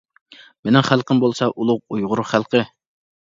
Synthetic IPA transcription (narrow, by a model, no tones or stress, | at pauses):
menɪŋχælˠqəmbolˠsɑʔulˠʊq̚ujʁʊɾʊχælˠqʰə